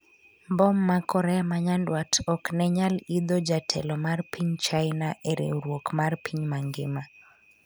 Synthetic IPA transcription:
mbɔmːakʰɔɾɛamaɲandwatʰɔknɛɲalid̪ɔd͡ʒatʰɛ̰lɔmarpiɲt͡ʃajnaʔɛɾɪ̰ɾwokmarpʰiɲmaŋɡɪma

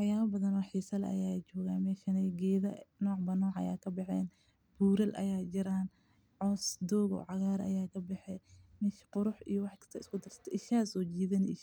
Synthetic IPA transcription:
ħɑjaːβɐbɐðɐnɔħiːsɐlʔɐ̰jaːt͡ʃɔːɣaːnmɛːʃɐnɛɡɛːðɐ̰nɔːʕbɐnɔːʕɐ̰ja̰ːkʰɐbɛħɛ̰ːn | b̥uːɾɐlʔɐ̰jaːt͡ʃɪɾaːn | ʕɔːsd̪ɔːɣɔ̰ːʕɑɣaːɾɐ̰jaːkʰɐbɛħɛmɛːʃqʊɾʊħijɔwɑħkʰɐ̥st̪ʰɐɪskʰʊd̪ɐr̥sɐ̥t̪ʰɐʔɪʃaːsɔːt͡ʃiːðɐnɪʃ

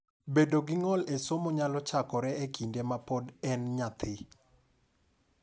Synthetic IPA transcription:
bedoɡɪŋɔlesomoɲalɔt͡ʃakɔɾɛekʰindemapodɛnɲat̪ʰɪ

